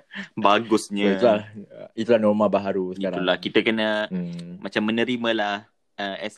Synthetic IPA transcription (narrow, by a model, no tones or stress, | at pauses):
baɡʊsɲə̃t̪lait̪ulahnɔrmabaɦaɾusəiaɾaulahkit̪əkənəmat͡ʃamːənə̃ɾiməlah | əɛs